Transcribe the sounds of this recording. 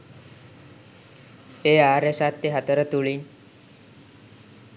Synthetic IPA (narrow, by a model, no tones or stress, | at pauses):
eːaːɾesat̪ːeɦat̪əɾət̪uɭin